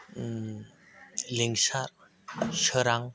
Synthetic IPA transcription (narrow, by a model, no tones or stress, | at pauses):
leŋsaɾ | səɾaŋ